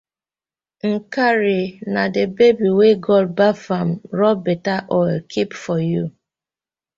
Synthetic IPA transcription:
ŋ̩kaɾinadebebiweɡɔbafam̩ɾɔbetaʔɔlkʰipfɔju

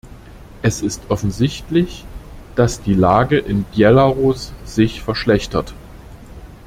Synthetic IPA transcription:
ʔɛsɪstʔɔfn̩zɪçtlɪçd̥asd̥iːlaːɡəʔɪnbjɛlaʁosz̥ɪçfɛɐʃlɛçtɐt

